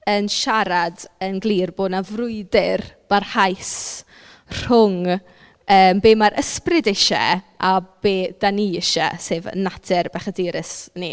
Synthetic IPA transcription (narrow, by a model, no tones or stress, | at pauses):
ənʃaɾadənɡlˠiːrboːdnavrʊɨdɪrb̥arhajs | r̥ʊŋ | əːmbeːmaɾʔəsprɪdɪʃɛ̰ʔab̥eːd̥aniɪʃɛ̰seːvə̰natʰɪrbaχədiɾɪsnḭ